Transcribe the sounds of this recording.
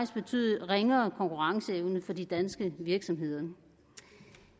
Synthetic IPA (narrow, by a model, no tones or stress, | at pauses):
isb̥e̝t͡sʰy̰ːðˠʁeŋɐːkʰɒ̽ŋkʰuʁɑ̈ŋsəeʊnəfɒ̽did̥ænsɡ̥əʋiɐɡ̥sɒ̽mɦe̝ð̞̰ˠɐ